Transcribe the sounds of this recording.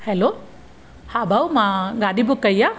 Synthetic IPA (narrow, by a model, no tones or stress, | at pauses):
hɛlo | habʱawmãɡaɗibukːəjja